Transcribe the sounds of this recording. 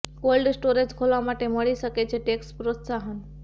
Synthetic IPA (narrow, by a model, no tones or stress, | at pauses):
kolɖsʈoɾed͡ʒkʰolʋamaʈeməɭiʃəket͡ʃʰeʈekspɾot̪saɦən